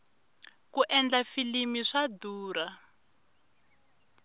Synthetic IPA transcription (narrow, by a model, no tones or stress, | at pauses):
kuʔɛnd͡ɮafilimiʂaduːɾa